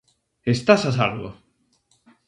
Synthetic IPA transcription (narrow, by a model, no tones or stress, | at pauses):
est̪asasalɣo̰